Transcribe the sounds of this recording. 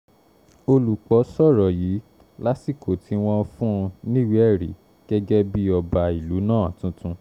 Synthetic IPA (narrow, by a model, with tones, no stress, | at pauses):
o˧lu˨k͡pɔ˨˦sɔ˦˨ɾɔ˨ji˨˦ | la˦si˦˨ko˨tʰi˨˦w̃ɔ̃˦fũ˦˧nĩ˦˨wi˦ɛ˦˨ɾḭ˨˦ | ɡ̥ɛ˦ɡɛ˦bi˦ɔ˧ba˧i˨lu˨˦nãː˦˨a˨tũ˨˦tʰũ˧